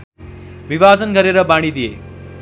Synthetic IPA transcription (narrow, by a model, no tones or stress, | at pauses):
biʋad͡zʌnɡʱʌɾeɾʌbaɽ̃id̪ijḛ